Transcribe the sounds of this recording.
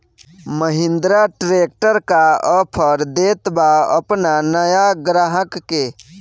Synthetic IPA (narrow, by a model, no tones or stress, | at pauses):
məɦɪ̃nd̪ɾaʈɾek̚ʈəɾkaəpʰəɾd̪et̪baə̰pnanəjaɡɾaɦəkːe